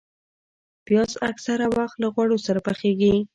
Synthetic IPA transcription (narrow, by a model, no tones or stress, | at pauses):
pjɑsaksaɾawaxt̪laɣwaɽosaɾapaxeɡi